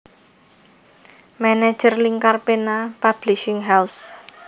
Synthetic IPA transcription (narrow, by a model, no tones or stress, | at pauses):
mɛnɛ̥ʒ̥ərliŋkarpenapab̥liʃɪŋɦɛls